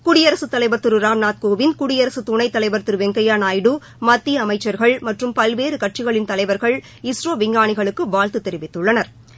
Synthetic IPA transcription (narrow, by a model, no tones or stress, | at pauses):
kʊɽɪjɐɾɐsɯt̪ːɐlɐɪʋɐɾt̪ːɯɾɯɾaːmnaːt̪̚koːʋɪnkʊɽɪjɐɾɐsɯt̪ʊɳɐɪt̪ːɐlɐɪʋɐɾt̪ɯɾɯʋɛŋɡɐjaːnaːjɽɯ | mɐt̪ːiɐmɐɪt͡ʃːɐɾɣɐɭmɐʈrɯmpɐlʋeːɾɯkɐʈ̚t͡ʃɪɣɐɭɪnt̪ɐlɐɪʋɐɾɣɐɭ | ɪsroːʋɪŋɡaːɳɪɣɐɭɯkːɯʋaːlt̪ɯt̪ːɛɾɪʋɪt̪ːɯɭːɐnɐɾ